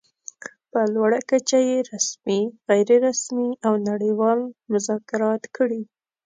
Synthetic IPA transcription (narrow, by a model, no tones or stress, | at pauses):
pəlwaɽakat͡ʃajeɾasmiɣajɾɪɾasmiawnaɽəjwɑlmʊzɑkɪɾɑt̪kəɽi